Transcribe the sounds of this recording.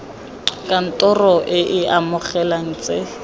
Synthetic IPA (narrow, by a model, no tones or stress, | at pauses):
kʼan̩tʼɔrɔʔɪʔɪamʊχɛlaŋ̩t͡sʼe